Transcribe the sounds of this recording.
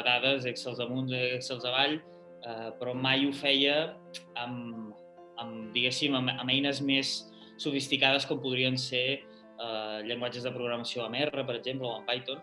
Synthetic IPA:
ɣaðəzeksəlˠzðəmunzɛksəlˠzəβaʎ | əpɾɔmajufɛjə | əm | əmd̪iɣesiməməmɛjnəzmesː | ufist̪ikað̞əskɔmpuðɾiənse | əʎəŋɡwad͡ʒəzðəpɾuɣɾəməsioəmɛrəpəɾəɡʒempləoəmpajt̪on

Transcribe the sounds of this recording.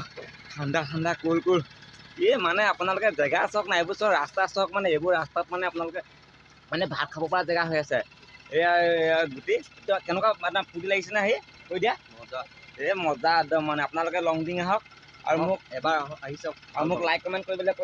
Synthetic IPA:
kʰandakʰandakolkuɹimanɛapʊnalʊkɛzɛɡasɔɦɔk̚najebʊsɔɹastasɔɦɔk̚manɛebʊɹastak̚manɛapʊnalʊkɛ | manɛbʱaɹkʰabɔpɔɹazɛɡaɦojasɛ | ɡutetkɛnɛkamadapʰudilaɡis̬ɛnaaɦi | kojdija | ɔza | mɔzadɔmanɛapʊnalʊkɛlɔŋdiŋaɦɔk̚ | a̰ɹumʊk̚ɛbaɹaɦisɔka̰ɹumʊklajkːɔmɛntkoɹibɔlɛk

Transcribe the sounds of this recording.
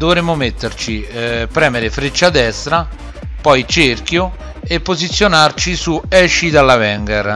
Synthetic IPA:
d̪ovɾemːʊmet̪ːert͡ʃipːɾɛːmeɾɪfɾet͡ʃːad̪ɛst̪ɾa | pɔjt͡ʃerkjo | epːozit̪sːjonart͡ʃisuɛʃid̪alːavɛŋɡɛɾ

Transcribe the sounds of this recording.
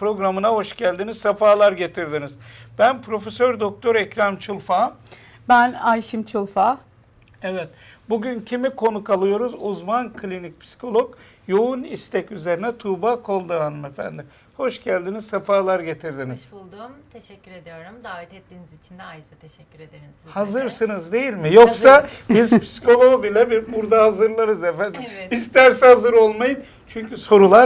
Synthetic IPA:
pɾo̞ɡɾamɯnaho̞ʃɟælʲd̪iniz̥safaːlˠaɾɟe̞t̪ʰiɾd̪iniz̥b̥ænpʰɾo̞fe̞søɾd̪ok̚t̪ʰo̞ɾɛcɾamt͡ʃʰulˠfa | bænajʃimt͡ʃʰulˠfa | evɛt̪ | buɟyncʰimikʰo̞nukalˠɯjo̞ɾuzuzmankʰlʲinic̚ʲpʰsi̥kʰo̞lˠo̞k | jo̞unist̪ʰɛcyze̞ɾinɛt̪ʰuːbakʰo̞lˠd̪ɯɦanɯmefæ̰nd̪ɪ | ho̞ʃɟælʲd̪iniz̥safaːlˠaɾɟe̞t̪ʰiɾd̪iniz̥ˠd̪umt̪ʰɛʃɛcʲːyɾed̪ijo̞ɾumd̪aːʋɛt̪ɛt̪ːiːnizit͡ʃʰind̪ɛajd͡ʒat̪ʰeʃɛcʲːɾed̪eɾi | hazɯɾsɯnɯzd̪e̞jilʲmijoksabizpʰi̥si̥kʰo̞lˠobilʲɛbiɾbuɾd̪ahazɯɾlˠaɾɯzefænd̪imist̪æɾsɛhazɯɾo̞lˠmajɯn | t͡ʃʰyɲcyso̞ɾulˠaɾ

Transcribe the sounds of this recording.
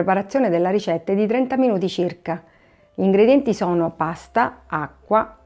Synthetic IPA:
epaɾat̪sːjoːned̪elːaɾit͡ʃɛt̪ːed̪it̪ɾɛnt̪aminuːt̪it͡ʃirka | iːŋɡɾed̪jɛnt̪isɔːnopast̪aakːwa

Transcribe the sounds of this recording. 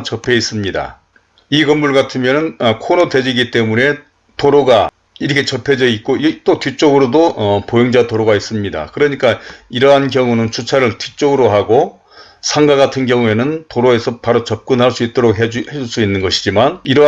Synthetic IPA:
t͡ɕʌpʰe̞is͈ɯmɲida̰ | iɡʌmːuɭɡatʰɯmjʌnɯnʌkʰonote̞d͡ʑiɡit͈e̞mune̞ | toɾoɡa | iɾʌkʰet͡ɕʌpʰe̞d͡ʑʌit̚k͈oit͈otɥit͡ɕ͈oɡɯɾodoʌpojʌŋd͡ʑatoɾoɡais͈ɯmɲida̰kɯɾʌɲik͈aiɾʌɦankjʌŋunɯnt͡ɕʰut͡ɕʰaɾɯɭtɥit͡ɕ͈oɡɯɾoɦaɡo | sʰaŋɡaɡatʰɯnɡjʌŋue̞nɯntoɾoe̞sʰʌpaɾot͡ɕʌp̚k͈unɦaɭs͈uit̚t͈oɾok̚ɦed͡ʑheuɭs͈uinːɯnɡʌɕʰid͡ʑimaniɾʌ

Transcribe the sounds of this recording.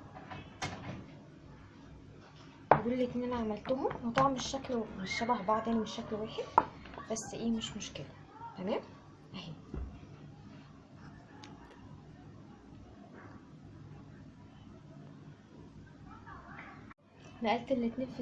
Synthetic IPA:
beɡuːllːæʔʔenːʔænæʕamælt̪ohomwet̪ˤɑʕmeʃːæklmeʃːæbæhbaʕd̪eːnmeʃːæklwæːħed̪b̥æsːʔiːmeʃmoʃkelæ | t̪æmæːm | ʔæhiː | hnæʔælt̪ʔelːit̪ninfi

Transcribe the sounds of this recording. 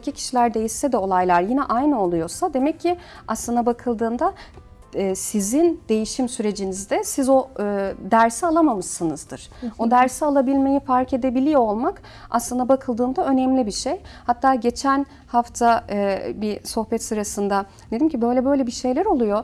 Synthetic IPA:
cʰicʰi̥ʃilʲæɾd̪e̞jisːɛd̪ɛo̞lˠajlˠaɾjinɛʔajnɯo̞lˠujo̞sad̪e̞mɛcʰːi | aslˠɯnd̪abakʰɯlˠd̪ɯːnd̪aː | sizind̪e̞jiʃimsyɾe̞d͡ʒinizd̪ɛsizo̞ːd̪æɾsialˠamamɯʃɯnɯzd̪ɯɾ̥o̞d̪æɾsialˠabilʲme̞jifaɾce̞d̪e̞bilʲijolˠmak | a̰slˠɯnd̪abakʰɯlˠd̪ɯːnd̪aø̞nɛmlʲibiʃejhat̪ʰːaːɟe̞t͡ʃʰæn | haft̪ʰabiso̞xbɛt̪sɯɾasɯnd̪a | ned̪imcʰibø̞jlʲɛbø̞jlʲebiʃe̞jlʲæɾo̞lˠujo̞

